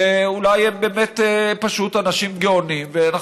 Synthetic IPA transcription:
eulajembe̞ːmet̪epaʃut̪anaʃimɡeonimveana

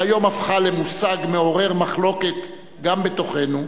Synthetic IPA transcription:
ajo̞mafχale̞musaɡmeo̞ʁe̞ʁmaχlo̞ke̞t̪ | ɡambe̞t̪o̞χe̞nu

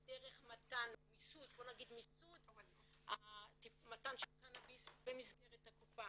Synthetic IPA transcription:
deʁeχmatanomisutbo̞naɡid̪misut | atimatanʃelkanabisbemizɡeʁethakupa

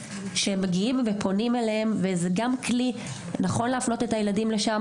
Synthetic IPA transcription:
ʃemeɡiimvepʰo̞nimelehemvezeɡamkli | naχo̞nleːfno̞te̞tajeladimle̞ʃam

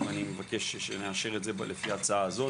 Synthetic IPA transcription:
vanimevakeʃeʃeneaʃe̞ʁetzeblefihat͡saaːzo̞

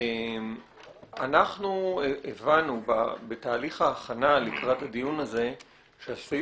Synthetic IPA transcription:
em | anaχnuevanuba̰be̞taːliχaːχanalikʁathadijunaze̞ | ʃeasi

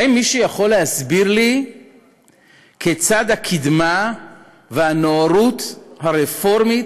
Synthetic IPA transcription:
inmːiʃejaχo̞lːehasbiʁli | kʰet͡sad̪hakʰid̪ma | veanoaɾut̪haʁefo̞ʁmi

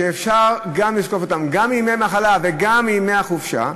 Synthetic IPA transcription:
eːfʃaʁɡamliʃko̞fot̪amɡamːimejmaχalaveɡamːijmeaχufʃa̰

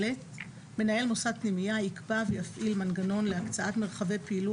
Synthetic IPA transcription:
et | me̞nae̞lmo̞sad̪̚pnimijaikbavejafʔilmanɡano̞nleakt͡saʔat̪me̞ʁχave̞jpeilu

